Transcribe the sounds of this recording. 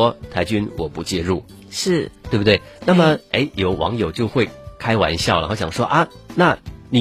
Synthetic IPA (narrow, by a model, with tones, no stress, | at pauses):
ɔ˥t̪ʰa˧˥ɪt͡ɕy˥nwɔ˨˩pu˧˩t͡ɕjɛ˥˧ɻu˥˩ | ʂɻ̩˥˩t̪we˥˩bu˩t̪we˥˩ɪna˥˩mə˩ḛ˥ɪjo˨˩ʊwɑ̰˧˥ŋjo˨˩ʊt͡ɕjo˥˧ʊxwe˥˩ɪkʰa˥ɪwa̰˧˥nɕjɑ˥˩ʊlə̰˨˩xɔ˧˥˩ɕjɑ˨˩ŋʂwɔ˥ʔɐ˧na˥˩ni˨˩